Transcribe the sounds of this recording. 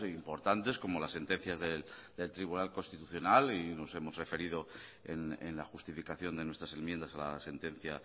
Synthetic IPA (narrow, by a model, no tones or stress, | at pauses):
impo̞ɾt̪ant̪e̞sko̞molasːe̞nt̪ẽ̞n̟θjazðeld̪e̞lt̪ɾiβ̞unalkonst̪it̪uθjonalino̞se̞mo̞zre̞fe̞ɾið̞o̞ḛnḛnlaxust̪ifikaθjo̞nd̪e̞nwet̪ɾase̞nmjend̪asala̰se̞nt̪ẽ̞n̟θja